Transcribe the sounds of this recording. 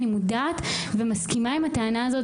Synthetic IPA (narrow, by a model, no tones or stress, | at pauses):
nimudaːt̪vemaskimaimhat̪eanaazo̞t